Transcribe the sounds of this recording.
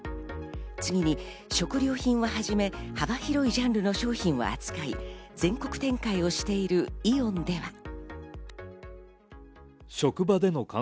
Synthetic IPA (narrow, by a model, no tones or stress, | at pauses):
t͡sɨɡʲiɲ̟i | ɕo̞kɯ̟ɾʲo̞ːçĩɰ̃βaɦaʑime̞habaçiɾo̞iʑãnɾɯ̟no̞ɕo̞ːçĩɰ̃βa̰at͡sɨ̥kaḭd͡zẽ̞ŋko̞kɯ̟̥t̪ẽ̞ŋkaio̞ɕi̥t̪e̞iɾɯ̟iõ̞nd̪e̞βa̰ | ɕo̞kɯ̟bad̪e̞no̞kã